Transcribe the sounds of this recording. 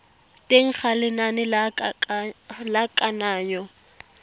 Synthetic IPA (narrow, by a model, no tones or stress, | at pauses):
tʼeŋ̩χalɪnanɪla | lakʼanaːɲɔ